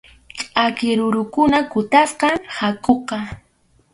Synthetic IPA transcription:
t͡ʃʼakɪɾʊɾʊkʊnakʊt̪asqɑŋhakoqɑ

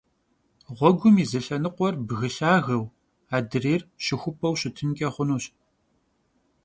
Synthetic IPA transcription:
ʁʷɔɡʷʊmiːzɐɬɐnɨqʷɔrbɣɨɬaːɣɐw | aːdɨreːrɕɪxʷʊpʰɐwɕɪtʰɨnkʲʼɐχʷʊnuːɕ

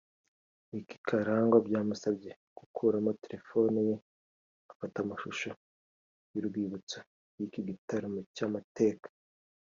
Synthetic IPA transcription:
iki̥kʰaɾaːŋɡobɟaːmusabɟe̞ | ɡ̥ukʰuːɾamoteɾe̞fo̞nije | afatamaʃuʃo | juɾɡwiːβut͡so̥ | jikiɡitaɾomucamate̞ːkḁ

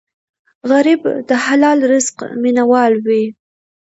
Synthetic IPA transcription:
ɣaɾɪbd̪əhalɑlɾɪzqminawɑlwi

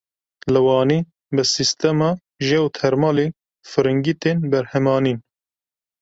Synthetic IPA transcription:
lɨwɑːniː | bɨsist̪ɛmɑː | ʒewt̪ʰɛɾmɑːleː | fɨɾɨŋɡit̪eːnbɛɾhɛmɑːniːn

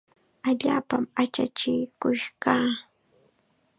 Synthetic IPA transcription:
aʎaːpamat͡ʃat͡ʃɪkʊʃɢaː

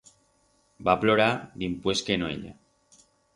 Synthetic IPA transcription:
baploɾad̪impweskenoḛʎa̰

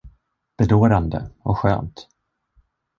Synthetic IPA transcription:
b̥ɛd̪oːɾand̪ə̰ɔkɧø̰ːnt̪

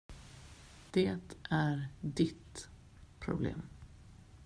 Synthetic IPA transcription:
d̪̥eːt̪ʔæɾd̪ɪt̪ | pʰɾʊ̰blḛːm

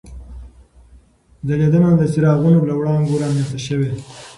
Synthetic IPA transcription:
d̪əlad̪əmand̪əsiɾɑɣunolawɽɑŋɡoɾɑmenst̪aʃəwe

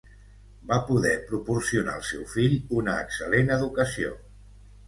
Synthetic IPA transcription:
bapuðɛpɾupursiuna̰ə̰lˠsɛwfiʎunəːksəlenəðukəsio̰

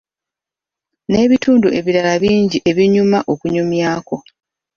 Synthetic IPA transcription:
ne̞ːβituːnduʔe̞βiɾalaβiːɲɟiʔe̞βiɲumaʔo̞kuɲumjaːko̞

